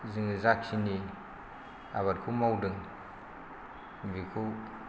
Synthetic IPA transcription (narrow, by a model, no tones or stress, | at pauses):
zɯŋɯzak̚sʰini | a̰βat̚kʰumawdɯŋ | mvikʰu